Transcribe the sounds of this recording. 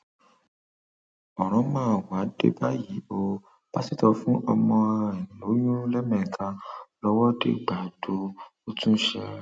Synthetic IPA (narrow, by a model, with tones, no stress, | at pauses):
ɔ˨ɾ̃ɔ̃˨˦mãː˦˨wa˨˦dḛ˦ba˦ji˨˦bo˧ | b̥a˦si˦˨tɔ˧fũ˦ʔɔ˧mɔ̃˧a˧˨ĩ˨lo˨˦jũ˦lɛ˦mɛ̃˦˨ĩ˨kʰã˧lɔ˧wɔ˦dḛ˦ɡ͡ba˨do˧o˧tũ˦ʃɛ̰˧